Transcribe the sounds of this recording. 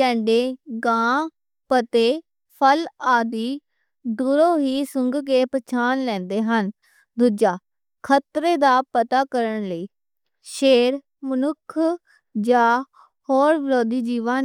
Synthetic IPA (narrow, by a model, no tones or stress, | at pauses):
ɛ̃ːɳɖeːɡãː | pət̪eː | pʰəlaːd̪iː | d̪uɾõːɦiːsʊŋɡkeːpət͡ʃʰaːnlɛ̃ːnd̪eːɦən | d̪ud͡ʒaː | kʰət̪ɾeːd̪aːpət̪aːkəɾəɳləiː | ʃeːɾ | mənʊkʰ | d͡ʒaː | hoːɾʋəɾoːd̪iːd͡ʒiːʋaːn